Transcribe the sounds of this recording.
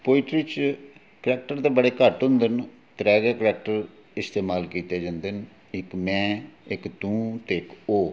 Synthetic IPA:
poːɪʈɾit͡ʃ | kəlɛːk̚ʈəɾt̪eːbəɽeːkəʈɦʊ̃nd̪ən | t̪ɾɛːɡɛːkəlɛːk̚ʈəɾ | ɪst̪eːmaːlkiːt̪eːd͡ʒand̪ən | ɪkmɛ̃ːɪkt̪ũːt̪eɪkoː

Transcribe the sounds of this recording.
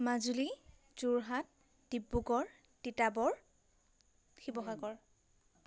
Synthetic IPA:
mazuli | z̥uɹɦat̚ | d̥ibːuɡɔɹ | d̥itabɔɹ | xibɔxaɡɔɹ

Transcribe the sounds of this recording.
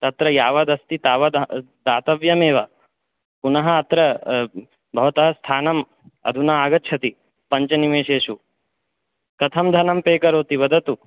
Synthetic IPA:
t̪ɐt̪ɾɐjaːʋɐd̪ɐst̪it̪aːʋɐd̪ | d̪aːt̪ɐʋjɐmeːʋɐ | punɐɦɐːt̪ɾɐ | bʱɐʋɐt̪ɐɦɐst̪ʰaːnɐm | ɐ̰d̪ʱunaaːɡɐtt͡ʃʰɐt̪i | pɐɲt͡ʃɐnimeːʃeːʃu | k̪ɐt̪ʰɐmd̪ʱɐnɐmpeːkɐɾoːt̪iʋɐd̪ʱɐt̪u

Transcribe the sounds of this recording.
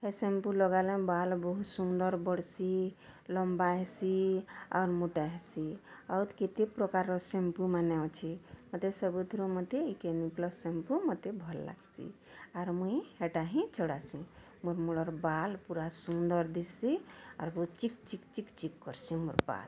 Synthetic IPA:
ɦesempulɔɡalebalbəɦut̪sund̪əɾbəɽsiləmbaɦesia̰ːɾmoʈaɦesiawt̪ket̪epɾɔkaɾɔsempumanɛɔt͡ʃʰimət̪esəbud̪ʱɾumət̪eikeniklɔsempumət̪ebʱɔlːa̰ɡsḭ | aɾmuiɦeʈaɦĩt͡ʃəɽasĩ | moɾmuɽɔɾbalpuɾasund̪əɾd̪isia̰ɾbəut͡ʃik̚t͡ʃikt͡ʃikt͡ʃikːɔɾsimoɾpa̰l

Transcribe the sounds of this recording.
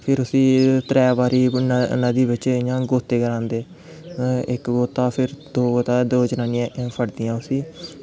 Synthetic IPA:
pʰɪɾʊsĩːt̪ɾɛːʋaːɾiːnəd̪iːbɪt͡ʃejãːɡoːt̪eːɡəɾãːnd̪eː | ɪkɡoːt̪aːpʰɪɾd̪oːɡoːt̪aːd̪oːd͡ʒnaːnɪjãːpʰəɽd̪ɪjãːʊsĩː

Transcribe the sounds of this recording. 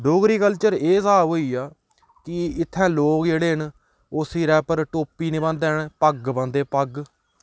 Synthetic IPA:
ɖoːɡɾiːkəlt͡ʃəɾeːsaːɦoːiːaː | kɪɪt̪ʰːɛ̃ːloːkd͡ʒeːɽeːɦən | ʊsiːɾɛːpəɾʈoːpiːnɪbə̃nd̪ɛːɳpəɡbə̃nd̪eːpəɡ

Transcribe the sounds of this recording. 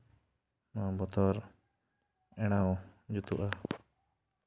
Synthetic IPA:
mabɔt̪ʰɔɾ | ɛɽ̃aɔd͡ʒut̪uʔa

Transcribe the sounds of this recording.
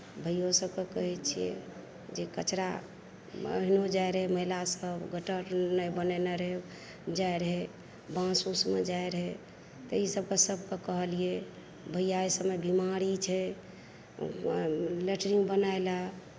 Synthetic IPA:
bʱəjosəbkekəɦɛt͡ʃʰijḛ | d͡ʒekət͡ʃɾa̰ | ɦinod͡ʒaeɾəɦeməɦilasəbɡʱəʈəɾnəjbənɛneɾe | d͡ʒajɾəɦe | bãsusmed͡ʒaeɾəɦe | t̪əisəb̚kesəbkekəɦəlie | bʱəjaesəmebimaɾit͡ʃʰɛ | leʈɾibənaela

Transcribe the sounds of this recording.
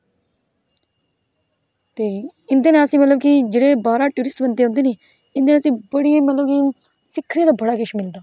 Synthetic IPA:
t̪eːɪnd̪eːnẽːəsĩːmət̪ləb̚kid͡ʒeːɽeːbaːɾaːʈuːɾɪsʈbənd̪eːɦʊ̃nd̪eːneː | ɪ̃nd̪eːəsĩːbəɽĩːmət̪ləbki | sɪkʰːɽ̃eːd̪aːbəɽaːkeʃmɪld̪aː

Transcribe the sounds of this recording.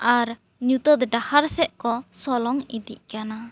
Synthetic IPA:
aɾ | ɲut̪əd̪ɛdahaɾsɛʔkɔsɔlɔŋid̪iʔkana

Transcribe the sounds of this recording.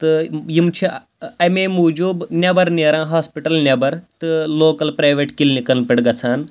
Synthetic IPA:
t̪ɨjimt͡ʃʰi | ɐmeːmuːd͡ʒuːbnʲɐbɐɾneːɾãːɦaːspiʈɐlnʲɐbɐɾt̪ɨloːkɐlpɾaːjʋeːʈkilnikɐlpʲɐɽɡɐt͡sʰaːn

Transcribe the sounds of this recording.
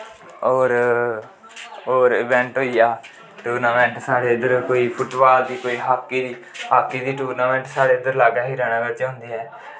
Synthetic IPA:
ɔːɾ | oːɾɪbɛ̃ːɳʈɦoːijaː | ʈuːɾnaːmɛ̃ːɳʈsaːɽeːɪd̪əɾkoːiːpʰʊʈʋaːld̪iːkoːiːɦaːkːiːd̪iːhaːkːiːd̪iːʈuːɾnaːmɛ̃ːɳʈsaːɽeːɪd̪əɾlaːɡaːɦiːɾɛːɽ̃aːʋɪɾt͡ʃːɦʊ̃nd̪iːɦɛː

